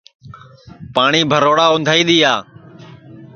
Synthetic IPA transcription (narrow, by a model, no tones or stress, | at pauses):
paːɳiːbʱəɾoːɽaːʊ̃nd̪ʱaːiːɗ̪iːaː